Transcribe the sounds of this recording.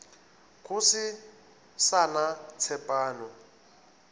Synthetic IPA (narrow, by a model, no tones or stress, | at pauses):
kʰʊsɪ | sanat͡sʰɛpʼaːnɔ